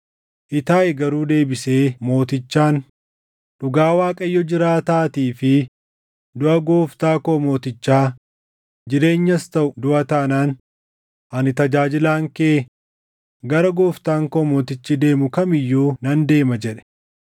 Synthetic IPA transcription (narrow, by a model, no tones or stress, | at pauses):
ʔɪt̪aːʔɛɡɐɾuːd̪e̞ːbɪse̞ːmo̞ːt̪ɪt͡ʃːaːn | ᶑʊɡaːwaːkʼɐjːɔd͡ʒɪɾaːt̪aːt̪iːfɪ | d̪ʊʔɐɡoːft̪aːkoːmo̞ːt̪ɪt͡ʃːaː | d͡ʒɪɾe̞ːɲːɐst̪ɐʔʊd̪ʊʔɐt̪ɐnaːn | ʔɐnɪt̪ɐd͡ʒaːd͡ʒɪlaːŋkeː | ɡɐɾɐɡoːft̪aːŋkomoːt̪ɪt͡ʃːɪd̪e̞ːmʊkɐmɪjːuːnɐnd̪e̞ːmɐd͡ʒɛᶑɛ̥